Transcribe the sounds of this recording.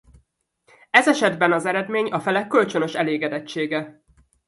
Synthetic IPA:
ɛzɛʃɛd̪bɛnɒzɛɾɛd̪meːɲɒfɛlɛkːø̞lt͡ʃø̞nø̞ʃɛleːɡɛd̪ɛt͡ʃːeːɡɛ

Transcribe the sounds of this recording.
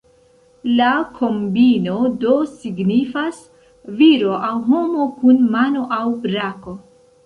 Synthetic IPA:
lakʰo̞mbino̞do̞siɡnifas | viɾo̞ʔawɦo̞mo̞kunmano̞ʔawbɾako̞

